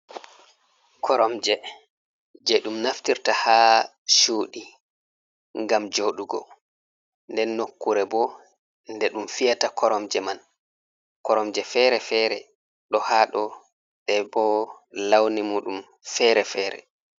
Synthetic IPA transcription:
kʰɔɾɔmd͡ʒɛ | d͡ʒɛɗumnaftiɾtaha | ʃuːɗi | ŋɡamd͡ʒoɗuɡɔ̰ | ndɛnːokːuɾɛbɔ | ndɛɗumfijatakʰɔɾɔmd͡ʒɛman | kɔɾɔmd͡ʒɛfɛɾɛfɛɾɛ | ɗɔhaɗɔ | ɗɛbɔ | lawnimuːɗum | fɛɾɛfɛːɾɛ̰

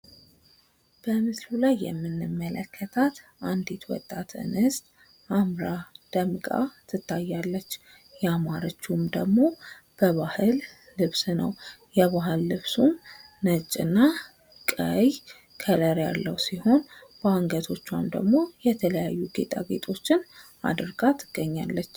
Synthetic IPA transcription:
b̥əmɨslulajːɛ̰mːɨnːɨmːələkʰːət̪ʰat̪ʔand̪et̪wɔ̰t̪ʼːat̪ʰɨ̰nɨst̪ʼ | amɾad̪̥əmkʼa̰t̪ʰɨt̪ʰːajːalːət͡ʃː | jɛamaɾot͡ʃːumd̪əɡmo̞ | b̥əβahɨlː | ɨβsnəwjɛβaɦɨlːɨβsumː | ət͡ʃʼːɨ̰nːa | kʼəj | kʰələɾjalːəwsiho̞nbəaŋɡət̪ʰo̞t͡ʃːa̰md̪ə̰ɡmo̞jɛt̪ʰələjajːuɡḛt̪ʼa̰ɡe̞̰t̪ʰʼo̞t͡ʃːɪn | a̰d̪ɾɡat̪ʰɨɡ̥ːəɲːalːət͡ʃː

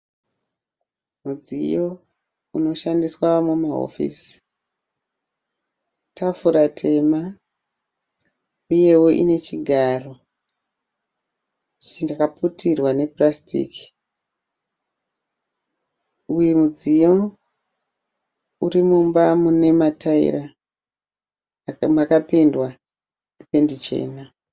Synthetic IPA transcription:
mud͡zḭjo̞ | uno̞ʃandiswamumaɦo̰fḭːsi̥ | tʰafuɾatʰe̞ma | uje̞wo̞ʔḭne̞t͡ʃiɡʱaːro̞ | t͡ʃindakaputʰirwane̞prastḭki̥ | ujemud͡zijo | uɾimumbamune̞mataḭɾa | makapendwa | nepe̞ndit͡ʃe̞̰ːna

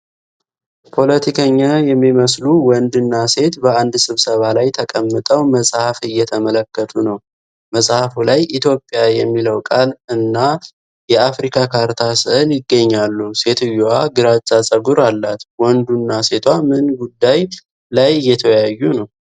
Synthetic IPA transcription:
pʰo̞lət̪ʰikʰəɲːajɛmːiməsluwɔnd̪ɨnːase̞t̪bəand̪sɨβsəβalajt̪ʰəkʼəmːɨt̪ʼəwməsʼhafɨjːɛt̪ʰəmələkːət̪ʰunəw | məsʼhafulajʔit̪ʰjo̞pʼːjajɛmːiləwkʼalɨnːa | jɛafɾikʰakʰaɾt̪ʰasɨʔɨljɪɡːəɲːalːuse̞t̪ʰɨjːoaɡɨɾat͡ʃʼːasʼəɡuɾalːat̪wɔnd̪unːase̞t̪ʰwamɨnɡud̪ːaj | lajɨjːɛt̪ʰəjajːunəw

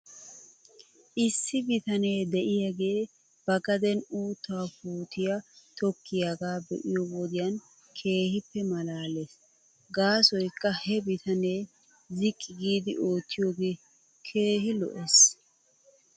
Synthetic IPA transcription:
ʔɪsːɪbɪt̪ɐne̞ːd̪ɛʔɪjɐɡeː | b̥ɐɡɐd̪ɛnuːt̪ːaːfuːt̪ɪjat̪ɔkːɪjɐɡaːbɛ̰ʔɪjɔbɔd̪ɪjɐn | kʰe̞ːhɪpːɛmɐlaːleːs | ɡaːsɔjkːɐhɛbɪt̪ʰɐne̞ː | zɪkʼːɪɡiːd̪ɪʔo̞ːt̪ːɪjoːɡeː | kʰe̞ːhɪlɔ̰ʔes

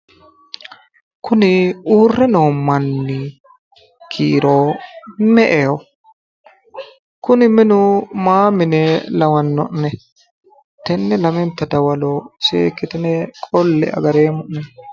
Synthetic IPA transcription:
kʊnɪuːrːɛno̞ːmːɐnːɪ | kʰiːɾoːmɛʔeːwɔ | kʊnɪmɪnʊmaːmɪnɛlɐwɐnːɔ̰ʔnɛ | t̪ɛnːɛlɐmɛnt̪ːɐd̪ɐwɐlosḛːkːɪt̪ɪnɛkʼɔlːɛ̰ʔɐ̰ɡɐɾeːmʊʔnɛ

